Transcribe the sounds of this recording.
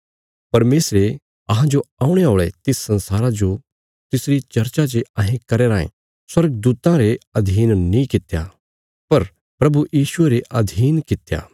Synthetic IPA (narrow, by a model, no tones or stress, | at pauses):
pɐɾmeːsɾe | ɐɦãd͡ʒoaːũɽ̃eɦoːɭet̪ɪsːɐ̃nsaːɾad͡ʒo | t̪ɪsɾit͡ʃɐɾt͡ʃat͡ʃeɐɦẽkɐɾeːɾaːḛ̃ | swɐɾɡəd̪uːt̪ãɾeɐd̪ʱiːnnĩkɪt̪ja̰ | pɐɾ | pɾɐbujiːʃʊeɾeʔɐd̪ʱiːnkɪt̪ja̰ː